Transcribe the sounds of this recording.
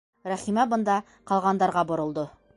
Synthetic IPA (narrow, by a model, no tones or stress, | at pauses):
ɾæχimæbɤ̆nd̪ɑ | qɑlˠʁɑnd̪ɑɾʁɑbŏɾŏlˠd̪ɤ